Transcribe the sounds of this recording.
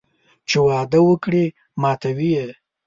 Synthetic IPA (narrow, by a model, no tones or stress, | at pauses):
t͡ʃewɑd̪əwəkɽi | mɑt̪awije